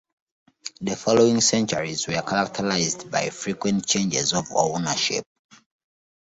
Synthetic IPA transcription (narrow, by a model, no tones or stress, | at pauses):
ðəfɔloĩŋsɛ̃nt͡ʃɔɹizwɛkʰaɹak̚tʰəɹaɪzdba̰jfɹikwɛ̃nt̚t͡ʃʰẽnd͡ʒɛzɔvɔ̰naʃḭp̚